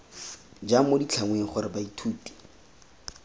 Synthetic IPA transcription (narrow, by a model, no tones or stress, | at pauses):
d͡ʒamodit͡ɬʰaŋweŋ̩χʊɾɪbaitʰuːti̥